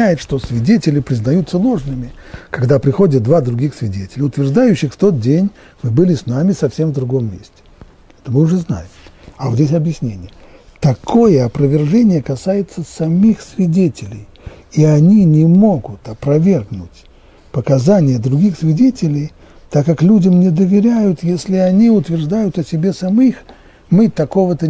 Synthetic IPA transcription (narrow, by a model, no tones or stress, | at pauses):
æjɪt̪ʂt̪o̞svʲɪdʲetʲɪlʲɪpɾʲɪznɐjut̪səlˠo̞ʐnɨmʲɪkɐɡd̪apɾʲɪxo̞dʲət̪̚d̪vad̪ɾʊɡʲixsvʲɪdʲetʲɪlʲɪʊt̪vʲɪrʐd̪ajʉɕːɪxft̪o̞t̪̚dʲenʲ | mɨbɨlʲɪsnamʲɪsɐfsʲe̞mvd̪ɾʊɡo̞mːʲḛsʲtʲɪ̥ | ɛt̪əmɨʊʐɛzna̰jɪmɐot̪dʲes̬ʲɐbjɪsʲnʲenʲɪjə | t̪ɐkʰo̞jəɐpɾəvʲɪrʐɛnʲɪjəkɐsajɪt̪səsɐmʲixsvʲɪdʲetʲɪlʲɪj | iɐnʲinʲɪmo̞ɡʊt̪ɐpɾɐvʲe̞rɡnʊtʲ | pəkɐzanʲɪjəd̪ɾʊɡʲixsvʲɪdʲetʲɪlʲɪj | t̪akːaklʲudʲəmnʲɪd̪əvʲɪɾʲæjʊt̪jesʲlʲɪɐnʲiʊt̪vʲɪrʐd̪ajʊt̪ɐsʲɪbʲe̞sɐmʲix | mɨt̪ɐko̞vət̪ə